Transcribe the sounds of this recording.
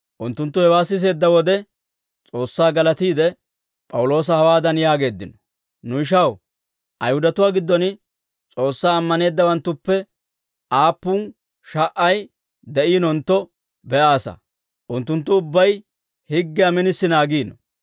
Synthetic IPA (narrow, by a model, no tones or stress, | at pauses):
ʔʊnt̪ːʊnt̪ːʊhɛwaːsːɪs̬e̞ːd̪ːɐwɔd̪ɛ | t͡sʼo̞ːsːaːɡɐlɐt̪iːd̪ɛ | pʼɐwlo̞ːs̬ɐhɐwaːd̪ɐnjaːɡe̞ːd̪ːɪnɔ | nʊɪʃ̬ɐw | ʔɐjhʊd̪ɐt̪ʊwaːɡɪd̪ːɔn | t͡sʼo̞ːsːaːɐmːɐne̞ːd̪ːɐwɐnt̪ːʊpːɛ | ʔaːpːʊn | ʃɐʔɐj | d̪ɛʔiːnɔnt̪ːɔ | bɛʔaːsɐ̰ | ʔʊnt̪ːʊnt̪ːʊʊbːɐj | hɪɡːɪjamɪnɪsːɪnaːɡiːnɔ